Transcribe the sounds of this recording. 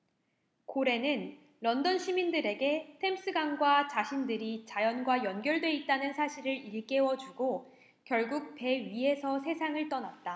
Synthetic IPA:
koɾe̞nɯnː | ʌndʌnɕʰimindɯɾe̞ɡe̞tʰe̞ms͈ɯɡaŋɡwat͡ɕaɕʰindɯɾit͡ɕajʌnɡwajʌnɡjʌɭdwe̞it̚t͈anɯnsʰaɕʰiɾɯɾiɭk͈e̞wʌd͡ʑuɡo | kjʌɭɡuk̚pe̞ɥiɦe̞sʰʌsʰe̞sʰaŋɯɭt͈ʌnat̚t͈a

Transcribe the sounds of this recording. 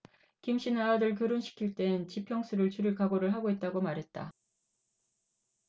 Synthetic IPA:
kimɕ͈ʰinaːdɯɭk̬joɾonɕʰi̥kʰiɭt͈e̞ɯnt͡ɕipʰjʌŋs͈ʰuɾɯɭt͡ɕuɾɯɭkaɡoɾɯɭɦaɡoit̚t͈aɡomaɾɦe̞t̚t͈a

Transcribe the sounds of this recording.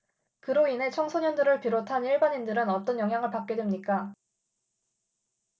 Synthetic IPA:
kɯɾoine̞t͡ɕʰʌŋsʰʌɲʌndɯɾɯɭpiɾotʰaniɭbaɲindɯɾɯnʌt͈ʌnjʌŋɦjaŋɯɭpak͈̚e̞dwemɲik͈a

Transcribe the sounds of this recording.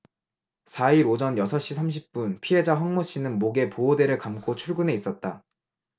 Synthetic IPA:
sʰaiɾod͡ʑʌnjʌsʰʌɕ͈isʰamɕ̬ʰi̥p̚p͈unpʰie̞d͡ʑaɸwaŋmoɕ͈inɯnmoɡe̞poode̞ɾɯɭkamk͈ot͡ɕʰuɭɡune̞is͈ʌt̚t͈a

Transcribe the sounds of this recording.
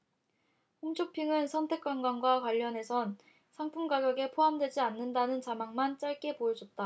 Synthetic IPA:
ɸumt͡ɕʰopʰiŋɯnsʰʌntʰe̞k͈wanɡwanɡwakwaʎːʌne̞sʰʌn | sʰaŋpʰumɡaɡjʌɡe̞pʰoɦamdwe̞d͡ʑianːɯndanɯnt͡ɕamaŋmant͡ɕ͈aɭk͈e̞poʌd͡ʑʌt̚t͈a

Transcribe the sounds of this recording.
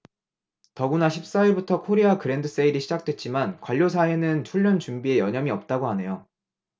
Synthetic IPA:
tʌɡunaɕʰip̚s͈aiɾbutʰʌkʰoɾeakɯɾe̞ndɯs͈aiɾiɕʰid͡ʑak̚t͈we̞t̚t͡ɕ͈imankwaʎːos̬ʰae̞nɯnt͡ɕʰuʎːʌnt͡ɕumbie̞jʌɲʌmiʌp̚t͈aɡoɦane̞jo

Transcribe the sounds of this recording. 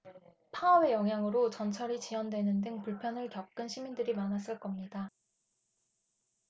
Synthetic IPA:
pʰaʌwe̞jʌŋɦjaŋɯɾot͡ɕʌnt͡ɕʰʌɾit͡ɕiwʌndwe̞nɯndɯŋpuɭpʰjʌnɯɭkjʌp̚k͈ɯnɕʰimindɯɾimanas̬͈ɯɭk͈ʌmɲida

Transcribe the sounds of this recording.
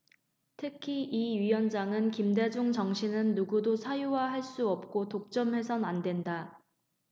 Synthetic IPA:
tʰɯkʰiʔiɥijʌnd͡ʑaŋɯnkimde̞d͡ʑuŋt͡ɕʌŋɕʰinɯnːuɡudosʰajuwaɦaɭs͈uʌp̚k͈otok̚t͡ɕ͈ʌmɦe̞sʰʌnandwe̞nda

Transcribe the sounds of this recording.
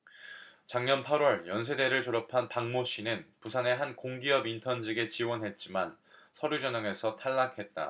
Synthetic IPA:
t͡ɕaŋɲʌnpʰaɾwʌɭjʌnsʰe̞de̞ɾɯɭt͡ɕoɾʌpʰanpaŋmoɕ͈ʰinɯnpusʰane̞ɦankoŋɡiʌbintʰʌnd͡ʑiɡe̞t͡ɕiwʌnɦe̞t̚t͡ɕ͈iman | sʰʌɾud͡ʑʌɲʌŋe̞sʰʌtʰaɭːakʰe̞t̚t͈a̰

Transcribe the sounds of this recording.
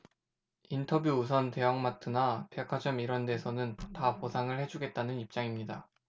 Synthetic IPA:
intʰʌbjuːs̬ʰʌnte̞jʌŋmatʰɯnapjakʰad͡ʑʌmiɾʌnde̞sʰʌnɯntaposʰaŋɯɭhe̞d͡ʑuɡe̞t̚t͈anɯnip̚t͡ɕ͈aŋimɲida

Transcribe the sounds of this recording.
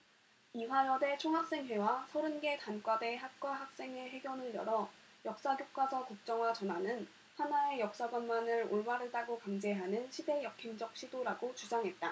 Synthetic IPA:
iɸwajʌde̞t͡ɕʰoŋɦak̚s͈e̞ŋɦe̞wasʰʌɾɯnɡe̞kank͈wade̞ɦak̚k͈waɦak̚s͈e̞ŋe̞ɦe̞ɡjʌnɯɭjʌɾʌ | jʌk̚s͈aɡjok̚k͈wasʰʌkuk̚t͡ɕ͈ʌŋwat͡ɕʌnɦanɯn | hanae̞jʌk̚s͈aɡwʌnmanɯɾo̰ɭmaɾɯdaɡokaŋd͡ʑe̞ɦanɯnɕʰide̞jʌkʰimd͡ʑʌk̚ɕ͈ʰidoɾaɡot͡ɕud͡ʑaŋɦe̞t̚t͈a

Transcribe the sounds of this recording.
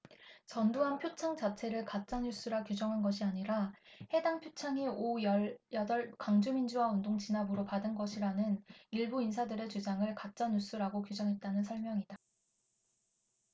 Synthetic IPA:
t͡ɕʌnduɦanpʰjot͡ɕʰaŋt͡ɕat͡ɕʰe̞ɾɯɭkat̚t͡ɕ͈anjus͈uɾakjud͡ʑʌŋɦanɡʌɕʰiaɲiɾahe̞daŋpʰjot͡ɕʰaŋiojʌjʌdʌɭkaŋd͡ʑumind͡ʑuwaundoŋt͡ɕinabɯɾopadɯnɡʌɕʰiɾanɯniɭbuins̬ʰadɯɾe̞t͡ɕud͡ʑaŋɯɭkat̚t͡ɕ͈anjus͈uɾaɡokjud͡ʑʌŋɦe̞t̚t͈anɯnsʰʌɭmjʌŋida

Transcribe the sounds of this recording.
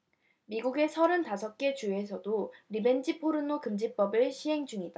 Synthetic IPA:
miɡuɡe̞sʰʌɾɯntasʰʌk̚k͈e̞t͡ɕue̞sʰʌdoɾibe̞nd͡ʑipʰoɾɯnːokɯmd͡ʑip͈ʌbɯɭɕʰiɦe̞ŋd͡ʑuŋida

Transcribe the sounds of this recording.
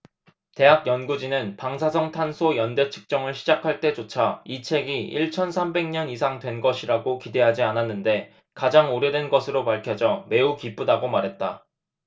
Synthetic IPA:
te̞ɦak̚jʌnɡud͡ʑinɯnpaŋs̬ʰasʰʌŋtʰansʰojʌnde̞t͡ɕʰɯ̥k̚t͡ɕ͈ʌŋɯɭɕʰid͡ʑakʰaɭt͈e̞d͡ʑot͡ɕʰait͡ɕʰe̞ɡiiɭt͡ɕʰʌnsʰambe̞ŋɲʌnisʰaŋdwe̞nɡʌɕʰiɾaɡokide̞ɦad͡ʑiananːɯnde̞ | kad͡ʑaŋoɾjʌdwe̞nɡʌsʰɯɾopaɭkʰjʌd͡ʑʌme̞ukip͈udaɡomaɾɦe̞t̚t͈a

